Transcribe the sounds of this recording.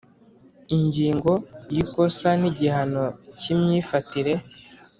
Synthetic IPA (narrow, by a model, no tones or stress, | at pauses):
iɲɟiːŋɡo̞jiko̞saniɟihano̞cimɲiːfatiɾe̞